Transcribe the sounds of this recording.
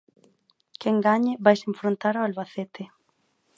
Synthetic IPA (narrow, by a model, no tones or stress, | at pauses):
keŋɡaɲɪβajseɱfɾont̪aɾaalβaθet̪ɪ